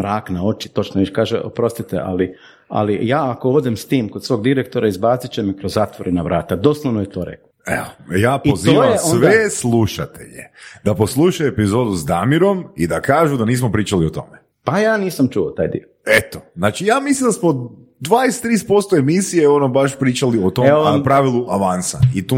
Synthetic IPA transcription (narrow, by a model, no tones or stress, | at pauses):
mɾaːknao̞t͡ʃit̪o̞t͡ʃnoʋiʃkaːʒḛʔo̰pɾo̞st̪it̪ḛʔa̰li | a̰lijaːako̞o̞d̪emst̪iːmkod̪sʋo̞ːɡd̪iɾekt̪o̞ɾʔaizbaːt̪sit͡ʃemikɾozːaːt̪ʋoɾenaʋɾa̰ːt̪ad̪oːslˠonojet̪o̞ːɾḛkloḛojaːpiotzoːajeoʋeslˠuʃat̪ḛʎḛd̪apo̞slˠuʃaepizo̞ːd̪uzd̪amiɾo̞mid̪akaːʒud̪aniːsmopɾiːt͡ʃaliot̪o̞̰me | pajaːniːsamt͡ʃuot̪aːjd̪ḭoet̪o̥znaːt͡ʃijaːmislind̪asmo | d̪ʋaːest̪ːɾiːs̚po̞st̪oemisijeonobaʃpɾiːt͡ʃaliot̪omeonapɾaːʋilˠuʔaʋansa̰it̪u